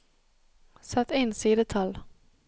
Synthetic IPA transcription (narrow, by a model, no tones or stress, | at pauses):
sat̪ːɪnsiːd̪ət̪ʰal